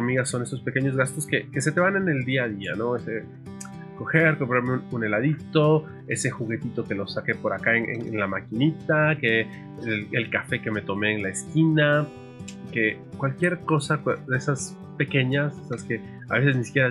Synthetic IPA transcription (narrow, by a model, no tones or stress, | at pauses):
amiɣaso̞ne̞so̞spe̞ke̞ɲo̞zɣast̪o̞ske̞ke̞se̞t̪e̞βane̞ne̞ld̪iaðia̰no̞e̞se | ko̞xe̞ɾkopoɾaɾmeunune̞laðit̪o̞ | e̞se̞xuɣe̞t̪it̪o̞ke̞lo̞sake̞po̞ɾakaenʔḛnḛnlamakinit̪ake | lelkafe̞ke̞me̞t̪o̞me̞ːnlaeskina | ke̞ | kwalkje̞ɾko̞sakdesas | pe̞ke̞ɲasesaske̞ | a̰βe̞se̞znisikjeɾa